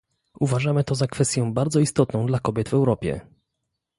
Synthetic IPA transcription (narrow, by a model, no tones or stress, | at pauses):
uvaʐamɘt̪ɔzakfɛst̪ʲjɔ̃w̃baɾd̪zɔist̪ɔt̪nɔ̃w̃d̪lakɔbʲjɛd̪vɛwɾɔpʲjɛ̰